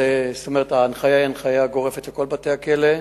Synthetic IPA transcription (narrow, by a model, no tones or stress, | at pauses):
est̪ome̞ʁetaːnχajaianχajaɡo̞ʁefetleko̞lbate̞hakele